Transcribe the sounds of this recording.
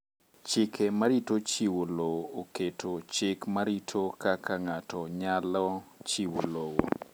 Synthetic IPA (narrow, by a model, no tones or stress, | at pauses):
t͡ʃɪkʰemaɾitot͡ʃiwolooketʰot͡ʃɪkmaɾitʰokakaŋatɔɲalɔt͡ʃiwolowo